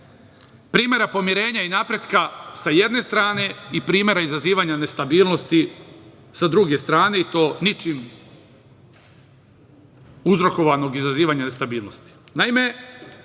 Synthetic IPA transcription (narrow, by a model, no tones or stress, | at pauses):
pɾiːme̞ɾapo̞miɾe̞ːɲainapɾe̞d̪kasaje̞d̪ne̞st̪ɾaːne̞ipɾiːmje̞ɾaizaziːʋaɲane̞st̪abiːlˠno̞st̪i | sad̪ɾuɡe̞st̪ɾaːne̞it̪o̞ːnit͡ʃim | uzɾo̞ko̞ʋano̞ɡizaziːʋaɲane̞st̪abiːlˠno̞st̪i̥naime̞